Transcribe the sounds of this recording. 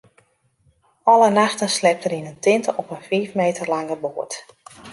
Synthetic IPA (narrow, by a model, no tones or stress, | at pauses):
ɔlənaxtənslɛp̚təɾinəntɪntəɔpənfiːfmeːtərlaŋəboːət